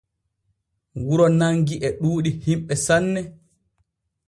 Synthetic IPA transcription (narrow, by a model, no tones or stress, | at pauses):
wuɾɔnaŋɡiʔɛɗuːɗihimɓɛsanːɛ